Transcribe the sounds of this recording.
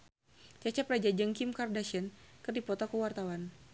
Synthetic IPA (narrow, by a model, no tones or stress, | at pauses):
t͡ʃat͡ʃapɾad͡ʒad͡ʒəŋkimkardaʃənkɨrdipɔt̪ɔkuwart̪awan